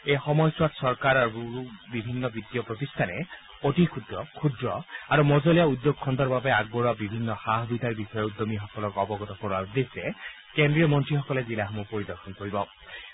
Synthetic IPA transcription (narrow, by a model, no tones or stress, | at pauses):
ejxɔmɔjswatsɔɹkaɹaɹuuubibʱinːɔbit̪ːijɔpɹot̪ist̪ʰanɛ | otikʰudɹɔkʰudɹɔaɹumɔzɔlijaud̪ːoɡ̚kʰɔnt̪ɔɹbabɛaɡ̚bɔɹabibʱinːɔxaɦɔbid̪ʱaɹbixɔjɔud̪ːɔmixɔkɔlɔkɔbɔɡɔt̪ɔkɔɹad̪esɛ | kendɹijɔmɔntɹixɔkɔlɛzilaɦmupoɹid̪ɔɹxʰɔnkoɹibɔ